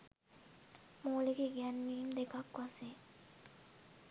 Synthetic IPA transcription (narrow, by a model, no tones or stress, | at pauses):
molekeɡɛnmimd̪ekakːase